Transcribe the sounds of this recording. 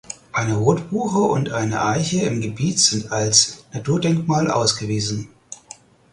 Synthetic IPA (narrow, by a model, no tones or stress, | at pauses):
ʔaɪnəʁoːtb̥uːχəʔʊ̰ntʔaɪnə̰ʔaɪçəɪmɡəbiːtz̥ɪntalsnatʰuːɐdɛŋkmaːlʔa̰ʊsɡ̥əviːzn̩